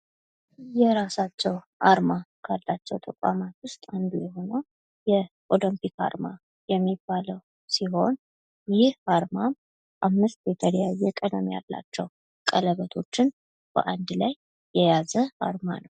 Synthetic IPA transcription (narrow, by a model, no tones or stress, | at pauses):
jɛɾasat͡ʃːɛw | ʔaɾmakʰalːat͡ʃːɛwt̪ʰʼəkʷʼa̰mat̪wʊst̪ʼand̪ujɛɦo̞nəw | jɛ | ʔoləmpika̰ɾma | jɛmːibːaləw | siɦo̞n | jɪhaɾmam | ʔamːɨst̪jɛt̪ʰəljajːɛkʼəd̪əmja̰lːa̰t͡ʃːɛw | kʼələβət̪ʰo̞t͡ʃːɪn | b̥ə̰ʔand̪lajː | ɛjazəa̰ɾma̰nəw